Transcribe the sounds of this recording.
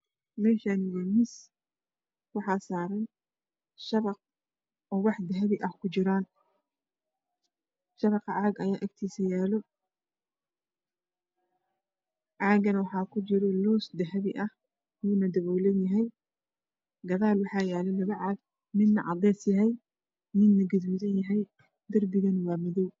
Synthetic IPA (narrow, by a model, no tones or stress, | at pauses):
mɛːʃaːnɪjɐmɪs | wɑħɑːsaːɾɛjn | ʃɐβɑq̚ | ɔːwɑħd̪ɐɦɐβɪʔɐhkʰʊt͡ʃɪɾaːn | ʃɐβɑqɑʕaːɡɐjaːʔɐɡt̪ʰiːsɐjaːlɔ | ʕɑːɡɐnwɑħɑːkʰʊt͡ʃɪɾɔlɔːsd̪ɐɦɐβɪʔɐh | juːnɐd̪ɐβɔːlɐnjɐɦɛj | ɡɐðaːlwɑħɑːjaːlɛlɐβɐʕɑːɡ̚ | mɪd̪nɐʕɑd̪ɛːsjɐɦɛj | mɪnːɐɡɐðuːðɐnjɐɦɛj | d̪ɐrbɪɣɐnwɑːmɪðɔw